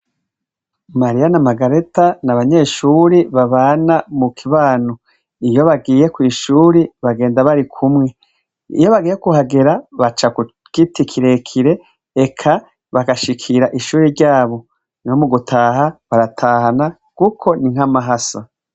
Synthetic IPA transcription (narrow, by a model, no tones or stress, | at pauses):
maɾijanamaɡaɾetanaβaɲe̞ʃuːɾiβaβaːnamukʰiβaːno | ijo̞βaɡiːje̞kwiːʃuːɾiβaɡe̞ːndaβaɾikʰumŋe̞ | ḭjo̞βaɡiːjekuhaɡe̞ɾaβat͡ʃaku | kitikʰiɾe̞kʰiɾe̞ | ekʰa | βaɡaʃikʰiɾaʔiʃuːɾiɾɟaːβo̞ | niwomuɡutʰaːɦaβaɾatʰaːhana | kukʰo̞niŋ̥ɦamaɦasa̰